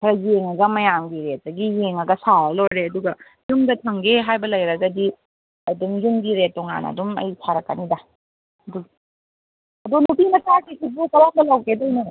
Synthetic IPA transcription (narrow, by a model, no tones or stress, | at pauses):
kʰɐɾɐjeŋɐɡɐmɐjamɡiɾetɐɡijeŋɐɡɐsaɐlojɾeɐduɡɐ | zuŋdɐtʰɐŋɡeɦajbɐlɐjɾɐɡɐdi | ɐdumzuŋɡiɾetɔŋa̰nɐ̰dumɐ̰jsʰaɾɐkːa̰nida | du | ɐdunupinɐtaɾkikibukɐwam̚dɐlawkedɐjnɐ